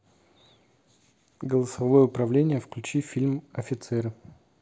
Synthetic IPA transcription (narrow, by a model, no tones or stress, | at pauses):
ɡəlˠəsɐvojəʊpɾɐvlʲenʲɪjəfklʲʉt͡ɕifʲilʲmɐfʲɪt̪sɛɾɨ